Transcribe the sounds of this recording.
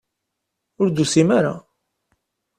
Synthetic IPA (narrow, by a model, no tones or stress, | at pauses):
ʊɾd̪usimaɾa̰